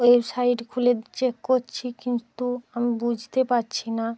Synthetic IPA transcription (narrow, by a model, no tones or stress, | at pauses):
ebsajɖkʰulet͡ɕekkoɾt͡ɕʰikint̪uamibud͡ʑʱt̪epaɾɕʰina